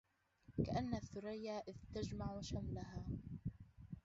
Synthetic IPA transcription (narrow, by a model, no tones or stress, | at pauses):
kaʔanːaθːʊɾajːaːʔɪðt̪ad͡ʒmaʕʃamlaɦaː